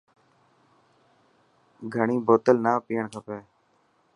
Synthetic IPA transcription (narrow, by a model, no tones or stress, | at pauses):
ɡʱəɳĩːboːt̪əlnaːpiːəɳkʰəpeː